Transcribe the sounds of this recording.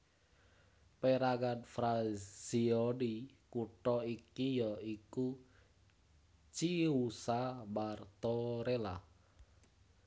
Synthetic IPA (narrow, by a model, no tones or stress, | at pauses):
peɾaɡanfɾaz̥iɔni | kuʈɔikijɔiku | t͡ʃiusamart̪ɔɾela